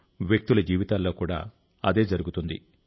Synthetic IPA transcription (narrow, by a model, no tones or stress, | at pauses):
ʋjek̚t̪ulɐd͡ʒiːʋit̪aːlːo̞ːkuːɽa̰ː | ɐd̪e̞ːd͡ʒɐɾuɡut̪und̪ḭ